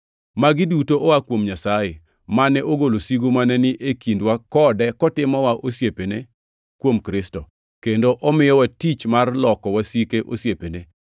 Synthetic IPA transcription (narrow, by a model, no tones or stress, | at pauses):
maɡɪdutoʔɔakwomɲasaje | manɛʔoɡolosiɡomanɛnɪʔekindwakɔdɛkɔtɪmɔwaʔosjepene | kwomkɾɪstɔ | kendoʔɔmɪjɔwatit͡ʃmarlɔkɔwasikeʔosjepene